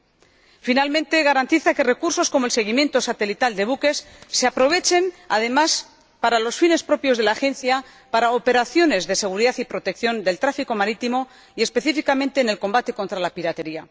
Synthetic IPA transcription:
finalmẽ̞nt̪e̞ɣaɾant̪iθake̞re̞kuɾso̞sko̞moelse̞ɣ̞imjẽ̞nt̪osat̪e̞lit̪ald̪e̞βuke̞sː | e̞apɾo̞β̞e̞t͡ʃe̞ma̰ðe̞mas | paɾalo̞sfine̞spɾo̞pjozðe̞laːxe̞nθja | paɾaope̞ɾaθjo̞ne̞zðe̞se̞ɣ̞uɾiðaθipɾo̞t̪e̞kθjo̞nd̪e̞lt̪ɾafiko̞maɾit̪imo̞ | ie̞spe̞θifikamẽ̞nt̪e̞ːne̞lko̞mbat̪e̞ko̞nt̪ɾalapiɾat̪e̞ɾia

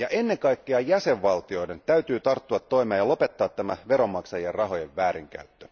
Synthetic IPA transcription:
jɑʔe̞nːeŋŋkɑjkːeɑjæse̞ʋʋɑlt̪io̞ide̞nt̪æyt̪yːt̪ɑrt̪ːuɑt̪ːo̞imeɑjɑlo̞pe̞t̪ːɑːt̪t̪ːæmæʋe̞ɾo̞mːɑksɑjierrɑɦo̞je̞ʋʋæːɾiŋk̟æ̰yt̪ːø

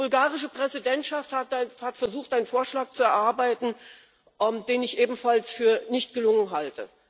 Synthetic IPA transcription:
bʊlɡaːʁɪʃ̬əpʁ̥ɛzidɛntʃafthatahatfɛɐzuːxtʔaɪnənfoːɐʃlaːk̚t͡suɛɐʔaɐbaɪtn̩ | ʔmd̥eːnɪçʔeːbm̩falsfyːɐnɪçtɡ̥əlʊŋənɦaltə̰

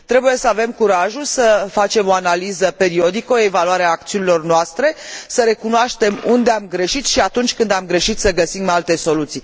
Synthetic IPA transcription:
t̪ɾe̞buje̞səave̞mkuɾaʒulsəfat͡ʃe̞mo̞analizəpe̞ɾio̞d̪ikəoe̞valuaɾeaːk̚t̪siunilo̞rnoast̪ɾe̞səɾe̞kunoaʃt̪e̞mund̪eamɡɾe̞ʃit̪ʃiat̪unt͡ʃʲkɨnd̪amɡɾe̞ʃit̪səɡəsimalt̪e̞so̞lut̪sij

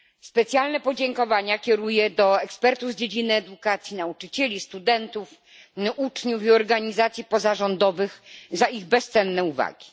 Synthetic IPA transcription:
spɛt̪sʲjalnɛpɔd͡ʑɛŋkɔvaɲakʲɛɾujɛd̪ɔɛkspɛɾt̪uvd͡ʑed͡ʑinɘɛd̪ukat̪sʲjinaut͡ʂɘt͡ɕɛlʲist̪ud̪ɛnt̪uf | ut͡ʂɲufiɔɾɡaɲizat̪sʲjipɔzaʐɔnd̪ɔvɘxzaiɣbɛst̪sɛnːɛuva̰ɡʲi

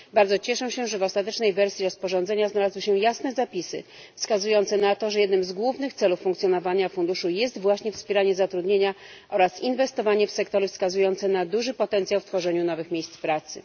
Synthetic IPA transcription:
baɾdzɔt͡ɕɛʂɛ̃ɕɛʐɛvɔst̪at̪ɛt͡ʂnɛjvɛɾsʲiɾɔspɔʐɔnd̪zɛɲaznalazwɘɕɛjasnɛzapʲisɘ̰ | fskazujɔnt̪sɛnat̪ɔʐɛjɛd̪nɘmzɡwuvnɘxt̪sɛlufːuŋkt̪sʲjɔnɔvaɲafund̪uʂujɛs̬t̪vwaɕɲɛfspʲjeɾaɲɛzat̪ɾud̪ɲeɲa | ʔɔɾasinvɛst̪ɔvaɲɛfsɛkt̪ɔɾɘfskazujɔnt̪sɛnad̪uʐɘpɔt̪ɛnt̪sjawft̪fɔʐɛɲunɔvɘxmʲejst̪spɾat̪sɘ̰

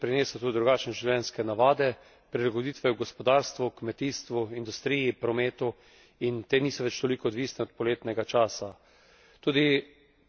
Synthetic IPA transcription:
pɾineːsat̪ud̪ɾuɡaːt͡ʃnɛʒiwlʲjɛnskɛnaʋaːd̪ɛ | pɾilaɡod̪iːt̪ʋɛuɡɔspɔd̪aːɾst̪ʋukmɛt̪iːst̪ʋuind̪ust̪ɾiːjipɾɔmeːt̪u | int̪eːniːsɔʋɛt͡ʃt̪olikɔːd̪ʋiːsnɛɔt̪̚pɔleːt̪nɛɡat͡ʃaːsa | t̪uːd̪i

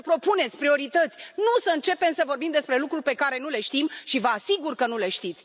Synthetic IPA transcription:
əpɾo̞pune̞t̪sʲpɾio̞ɾit̪ət̪sʲnusəɨnt͡ʃe̞pe̞msəvo̞rbimd̪e̞spɾe̞lukɾurʲpe̞kaɾe̞nule̞ʃt̪imʃivəasiɡurkənule̞ʃt̪it̪sʲ

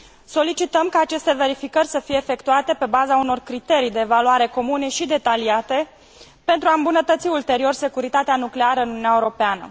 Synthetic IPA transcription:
so̞lit͡ʃit̪əmkaːt͡ʃe̞st̪e̞ve̞ɾifikərʲsəfije̞ːfe̞kt̪uat̪e̞pe̞bazauno̞rkɾit̪e̞ɾijd̪e̞ːvaluaɾe̞ko̞mune̞ʃid̪e̞t̪aliat̪e̞ | pe̞nt̪ɾuaɨmbunət̪ət̪siult̪e̞ɾio̞rse̞kuɾit̪at̪eanukle̞aɾəɨnununaeuɾo̞peanə̰

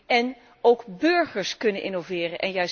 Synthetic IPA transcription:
ʔɛn | owkbøɹχəɹskɵnənʔɪ̰nowvɪːrənʔɛnjœɥs

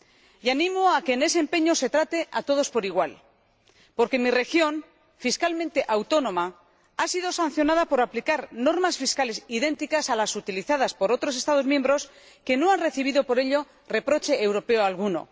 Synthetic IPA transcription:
janĩmoake̞ːne̞seːmpe̞ɲo̞se̞t̪ɾat̪e̞ʔat̪o̞ð̞o̞spo̞ɾiɣ̞wal | po̞ɾkenmire̞xjo̞n | fiskalmẽnt̪e̞ʔawt̪o̞nõ̞ma | asið̞o̞san̟θjo̞nað̞apo̞ɾaplikaɾno̞ɾmasfiskale̞sið̞e̞nt̪ikasalasut̪iliθað̞aspo̞ɾo̞t̪ɾo̞se̞st̪að̞ozmjembɾo̞s | ke̞no̞anre̞θiβ̞iðo̞po̞ɾe̞ʎo̞ | re̞pɾo̞t͡ʃe̞ːwɾo̞pe̞oalɣ̞uno̞̰

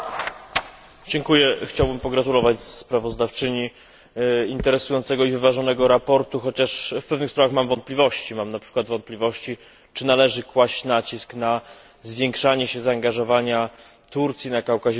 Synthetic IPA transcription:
d͡ʑɛŋkujɛxt͡ɕawbɘmpɔɡɾat̪ulɔvat͡ɕsspɾavɔzd̪aft͡ʂɘɲi | int̪ɛɾɛsujɔnt̪sɛɡɔivɘvaʐɔnɛɡɔɾapɔɾt̪uxɔt͡ɕaʂfpɛvnɘxspɾavaxmamvɔnt̪plʲivɔɕt͡ɕimamnapʂɘ̥kwad̪vɔnt̪̚pʲlʲivɔɕt͡ɕi | t͡ʂɘnalɛʐɘkwaɕt͡ɕnat͡ɕiskna | zvʲjɛŋkʂaɲɛɕɛzaːŋɡaʐɔvaɲa | t̪uɾt̪sʲjinakawkaʑɛ

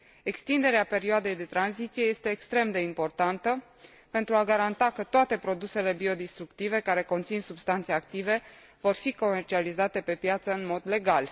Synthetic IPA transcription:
e̞kst̪ind̪e̞ɾeape̞ɾioad̪e̞jd̪e̞t̪ɾanzit̪sije̞je̞st̪e̞ːkst̪ɾe̞md̪e̞impo̞rt̪ant̪ə | pe̞nt̪ɾuaɡaɾant̪akət̪oat̪e̞pɾo̞d̪use̞le̞bio̞d̪ist̪ɾukt̪ive̞kaɾe̞ko̞nt̪sinsubst̪ant̪seak̚t̪ive̞ | vo̞rfiko̞me̞rt͡ʃializat̪e̞pe̞pjat̪səɨnmo̞d̪le̞ɡal

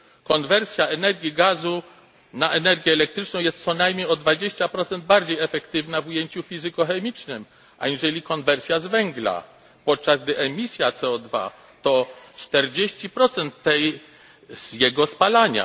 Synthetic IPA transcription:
kɔnvɛɾsʲjaɛnɛɾɡʲjiɡazu | naʔɛnɛɾɡʲjɛːlɛk̚t̪ɾɘt͡ʂnɔ̃w̃jɛst̪sɔnajmɲejɔd̪vad͡ʑeɕt͡ɕapɾɔt̪sɛnd̪̚baɾd͡ʑejɛfɛkt̪ɘvnavujeɲt͡ɕufʲizɘkɔxɛmʲit͡ʂnɘm | ʔa̰ɲiʐɛlʲikɔnvɛɾsʲjazvɛŋɡla̰ | pɔt̪̚t͡ʂazɡ̚d̪ɘʔɛmʲisʲjat̪sɛɔd̪va̰ | t̪ɔt͡ʂt̪ɛɾd͡ʑeɕt͡ɕipɾɔt̪sɛnt̪ːɛj | z̥jɛɡɔspalaɲa̰

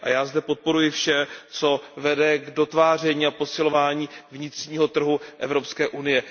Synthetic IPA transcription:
ʔa̰jaːzdɛpo̞t̪̚po̞ɾujɪfʃɛt͡so̞vɛdɛɡdo̞t̪vaːr̝ɛɲiːapo̞sɪlo̞vaːɲiːvɲɪt̪r̝̥ɲiːɦo̞t̪r̩ɦuʔɛvɾo̞pskɛːʔunɪjɛ

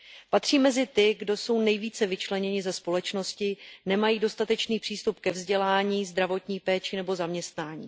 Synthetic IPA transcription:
pat̪r̝̥iːmɛzɪt̪ɪɡdo̞so̞wnɛjviːt͡sɛvɪt͡ʃlɛɲɛɲɪzɛspo̞lɛt͡ʃno̞scɪnɛmajiːdo̞st̪at̪ɛt͡ʃniːpr̥iːst̪up̚kɛvzɟɛlaːɲiːzd̪ɾavo̞t̪ɲiːpɛːt͡ʃɪnɛbo̞zamɲɛst̪naːɲiː

